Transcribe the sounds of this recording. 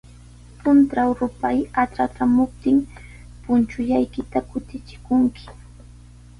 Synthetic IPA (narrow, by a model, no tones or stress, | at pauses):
pʊnt̪ɾawɾʊpajaʈ͡ʂakamʊp̚t̪ɪm | pʊnt͡ʃʊʎajkɪt̪akʊt̪ɪt͡ʃɪ̥kʊŋkɪ̥